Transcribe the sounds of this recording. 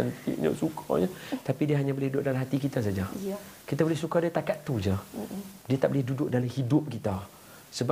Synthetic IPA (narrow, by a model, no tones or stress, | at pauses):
nt̪ḭʔɲə̰sukʰa̰ɲət̪apidiəɦaɲãbəlɪhdudʊʔ̚dalaɦat̪ikit̪as̬ad͡ʒakit̪abolɪhsukadiat̪akat̪ːud͡ʒadiat̪aʔbəlɪhdudʊʔ̚dalahidʊp̚kit̪a | səba